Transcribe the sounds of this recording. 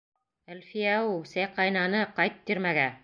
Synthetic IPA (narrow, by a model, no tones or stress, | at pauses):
ælfijæusæjqɑjnɑnɤqɑjt̪̚t̪ːiɾmæɡæ